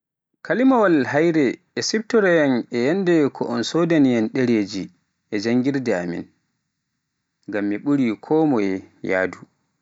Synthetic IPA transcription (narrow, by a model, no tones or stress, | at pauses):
kʰalimawalɦajɾɛʔɛsib̚tɔɾɛjanɛjandɛkʰɔʔɔnsodanijanɗɛɾeːd͡ʒi | ʔɛd͡ʒaŋɡiɾdɛa̰mḭn | ŋɡamːiɓuɾikʰɔːmɔjɛja̰ːdu